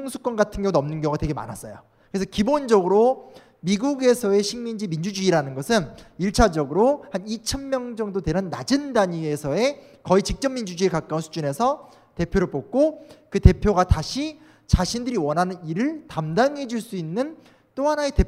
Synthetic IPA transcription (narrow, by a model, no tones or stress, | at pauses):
ŋsʰu̥k͈wʌnɡatʰɯnjʌŋnʌmnɯnɡjʌŋɡatwe̞ɡema̰nas͈ʌjo | kɯɾesʰʌkibond͡ʑʌɡɯɾo | miɡuɡe̞sʰʌe̞ɕʰiŋmind͡ʑimind͡ʑud͡ʑuiɾanɯnɡʌsʰɯniɭt͡ɕʰad͡ʑʌɡɯɾohanit͡ɕʰʌnmjʌŋd͡ʑʌŋdotwe̞ɾɯnːa̰d͡ʑɯndaɲiesʰʌe̞ | kʌit͡ɕik̚t͡ɕ͈ʌmːind͡ʑud͡ʑuiekak͈aunsʰud͡ʑune̞sʰʌ | te̞pʰjoɾɯɭpok̚k͈okɯte̞pʰjoɡataɕʰi | t͡ɕaɕʰindɯɾiwʌnɦanɯniɾɯɭtamdaŋɦe̞d͡ʑuɭs͈uinːɯn | t͈ohanaete̞